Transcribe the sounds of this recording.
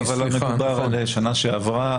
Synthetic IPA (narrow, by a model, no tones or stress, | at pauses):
valːomekubaʁaleʃanaʃeavʁa